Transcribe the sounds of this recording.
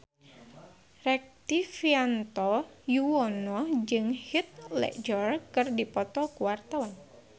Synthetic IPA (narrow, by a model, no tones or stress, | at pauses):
rɛk̚t̪ifiant̪ɔjuwɔnɔd͡ʒɨŋhit̪̚lɛ̰d͡ʒɔrkɨrdipɔt̪ɔkuwart̪awan